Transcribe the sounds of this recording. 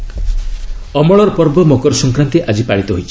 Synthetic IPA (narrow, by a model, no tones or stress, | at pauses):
ɔmɔɭɔɾpɔɾbɔmokɔɾsɔŋkɾant̪iʔad͡ʒipaɽit̪ɔɦojt͡ʃʰi̥